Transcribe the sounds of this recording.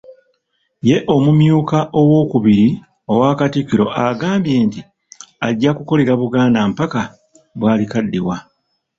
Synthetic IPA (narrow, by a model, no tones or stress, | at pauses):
je̞ʔo̞mumjuːkaʔo̞wo̞ːkuβiɾi | o̞waːkatikːiɾo̞̰ʔaɡaːmbje̞ːnti | aɟːakuko̞le̞ɾaβuɡaːnaːmpaka | βwaːlikadːḭwa